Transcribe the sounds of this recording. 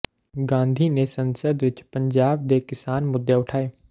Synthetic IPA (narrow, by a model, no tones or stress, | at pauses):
ɡãːnd̪ʱinesə̃nsəd̪ʋɪt͡ʃpə̃ɲd͡ʒaːb̚d̪ekɪsaːnmʊd̪ʱːjeʊʈʰaːeː